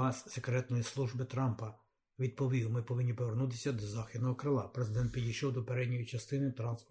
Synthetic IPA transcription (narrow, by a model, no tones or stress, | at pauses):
ɑsʲsekɾɛt̪nɔjislˠuʒbɪt̪ɾɑmpɐ | ʋʲid̪̚pɔʋʲiwmɪpɔʋɪnʲːipɔʋernut̪̬ɪ̥sʲɐd̪ɔzɑxʲid̪nɔɦɔkɾɪlˠɑpɾezɪd̪ɛnt̪̚pʲidʲijʃɔwd̪ɔpeɾɛdʲnʲɔjit͡ʃɐst̪ɪnɪt̪ɾɑnsp